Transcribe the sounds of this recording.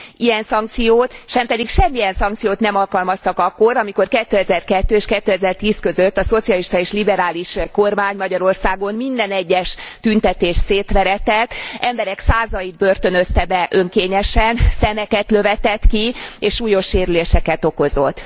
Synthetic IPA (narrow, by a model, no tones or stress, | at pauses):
ijɛnsɒŋk̚t̪sijoːt̪ʃɛmpɛd̪ikʃɛmːiɛnsɒŋkt̪sijoːt̪nɛmɒlkɒlmɒst̪ɒkɒkːo̞ɾɒmiko̞rkɛt̪ːøːɛzɛrkɛt̪ːøːeːʃkɛt̪ːøɛzɛrt̪iːskø̞zøt̪ːɒso̞t̪sijɒliʃt̪ɒeːʃlibɛɾaːliʃko̞rmaːɲmɒɟɒɾo̞rsaːɡo̞nmind̪ɛnɛɟːɛʃt̪ynt̪ɛt̪eːʃseːt̪ʋɛɾɛt̪ɛt̪ːʔɛmbɛɾɛksaːzɒid̪̚børt̪ø̞nøst̪ɛbɛʔøŋkeːɲɛʃɛnsɛmɛkɛt̪lø̞vɛt̪ɛt̪kieːʃːuːjo̞ʃːeːɾyleːʃɛkɛt̪o̞ko̞zo̞t̪ː